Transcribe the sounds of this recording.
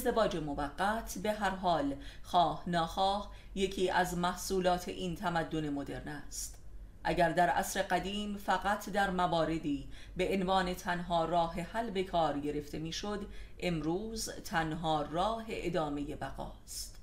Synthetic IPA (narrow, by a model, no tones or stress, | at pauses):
zd̪e̞vɒːd͡ʒe̞movæɡːæt̪ʰbe̞ɦæɾɦɒːlxɒːhnɒːxɒːh | je̞cʰiːʔæzmæhsuːlɒːt̪ʰe̞ʔiːnt̪ʰæmæd̪ːo̞ne̞mo̞d̪e̞̰ɾnæst̪ | ʔæ̰ɟæɾd̪æɾʔæ̰sɾe̞ɢæd̪iːmfæɣæt̪ʰd̪æɾmævɒːɾe̞d̪iː | be̞ʔenvɒːne̞t̪ʰænɦɒːrɒːɦe̞hælbe̞kʰɒːɾɟe̞ɾe̞ft̪e̞miːʃo̞d̪ʔe̞mɾuːzt̪ʰænɦɒːrɒːɦe̞ʔed̪ɒːme̞je̞bæɣɒ̰ːst̪